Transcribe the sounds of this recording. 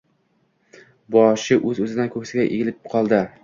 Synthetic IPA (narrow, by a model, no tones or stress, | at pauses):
bɒʃɪʔɵzɵzɪd̪ankʰɵkʲsɪɡʲaʔeɡʲɪlɪpqʰɒlˠd̪ɪ